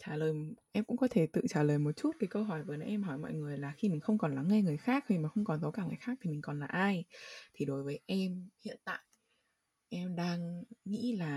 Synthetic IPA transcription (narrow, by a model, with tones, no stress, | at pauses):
t͡ɕaː˧˩ləː˨˩jʔɛ˧mkʊ̰˧˥ŋ͡mkɔ˨˦t̪ʰe˧˩t̪ɨ̰˧˨t͡ɕaː˧˩ləː˨˩jmo˨˩t̚t͡ɕu˦˥t̚kaː˨˦jkə˧wɦɔ˧˩jvəː˨˦jnɔ˨˦ʔɛ˧mɦɔ˧˩jmɔ̰˧˨jŋɨ˨˩əjlaː˨˩xi˧mï˨˩ŋ̟xə˧wŋ͡mkɔ˨˩nla˨˦ŋːe˧ŋɨ˨˩əjxaː˦˥k̚hi˧˩maː˨˩xə˧wŋ͡mkɔ˨˩nzə˨˦wkaː˧˩ŋaː˨˩jxaː˦˥k̚t̪ʰi˨˩mi˨˩kɔ˨˩nlaː˨˩ʔaː˧jt̪ʰi˨˩ɗo˨˦jvəː˨˦jʔɛ˧mhḭ˧˨ənt̪a̰ː˧˨j | ʔɛ˧mɗaː˧ŋŋḭ˧˥laː˨˩